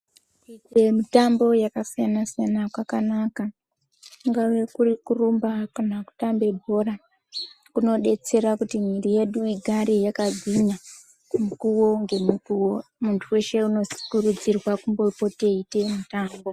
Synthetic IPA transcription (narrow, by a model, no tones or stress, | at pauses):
ikwe̞mitambo̞jakasijanasijanakwakanaka | ŋɡaʋekurikurumbakanaku̥tambe̞bʱo̞ɾa | kuno̞ɗe̞t͡se̞ɾakutimirije̞ɗuiɡʱaɾejakaɡʱina | kumukuwoŋɡe̞mukuomuntʰuwe̞ʃe̞uno̞si̥kurud͡zirwakumbo̞po̞te̞ite̞mitaːmbo̞